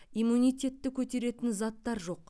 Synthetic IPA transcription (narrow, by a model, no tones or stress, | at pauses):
ijmunijt̪ʲe̞t̪ːɪkʲʰɵt̪e̞ɾe̞t̪ɪnzɑt̪ːɑɾʒo̞q